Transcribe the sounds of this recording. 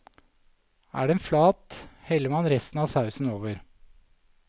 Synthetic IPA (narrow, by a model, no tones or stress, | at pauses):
ʔæ̰ːɖeːnflɑːt̪hɛlːəmɑnɾɛst̪n̩ɑːsɑʉsn̩oːʋəɾ